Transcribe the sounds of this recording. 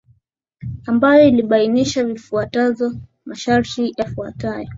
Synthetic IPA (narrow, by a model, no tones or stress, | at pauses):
ambajɔiliɓainiʃavifuatazɔ | maʃaɾtijafua̰tajɔ